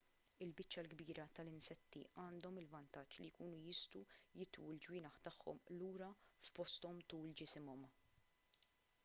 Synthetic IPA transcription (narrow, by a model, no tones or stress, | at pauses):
ɪlbɪt͡ʃːɐlɡbiːɾɐt̪ɐlɪnsɛt̪ːḭʔɐːnd̪ɔmɪlvɐnt̪ɐt͡ʃːlijkuːnujɪst̪ujɪt̪ṵːld͡ʒwiːnɐħt̪ɐħːɔ̰mluːɾɐfpɔst̪ɔmt̪uːld͡ʒɪsɪmɔm